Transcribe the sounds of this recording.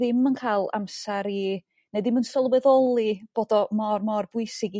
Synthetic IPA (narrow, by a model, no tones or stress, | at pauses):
ðɪmənkʰaːjlˠa̰msaɾi | nedɪmənsɔlˠwɛðɔlˠib̥oːdɔmɔrmɔrbʊɨsɪɡi